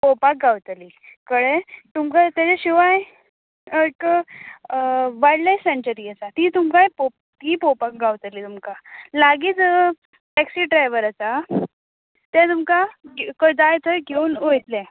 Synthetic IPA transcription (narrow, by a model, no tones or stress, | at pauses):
popak̚ɡawt̪liːkəɽet̪umkat̪jat͡seɕiʋaj | əkə | ʋaɽlasent͡ɕəɾiat͡sat̪iːt̪umkajpo | t̪iːpopak̚ɡawt̪liːt̪umkalaɡiːt͡s | ʈɛksiːɖɾajʋəɾat͡sa | t̪ɛ̃t̪umkaɡkəd͡z̪ajt͡s̪əɡʱeuːnojt̪lɛ